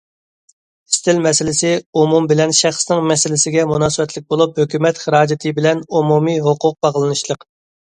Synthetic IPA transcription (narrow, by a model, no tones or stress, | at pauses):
ɪ̥st̪ʰɪlmɛsɪlɪsɪumumbɪlɛnʃæχsnɪŋmɛsɪlɪsɪɡʲɛmunɑːsɨbɛt̪ʰlɪk̚ʲbolˠup̚høkʲymɛt̪χəɾɑːd͡ʒɪt̪ʰɨbɪlɛnumumiɦoqʰʊq̚bɑʁlˠɨnɨʃlˠəq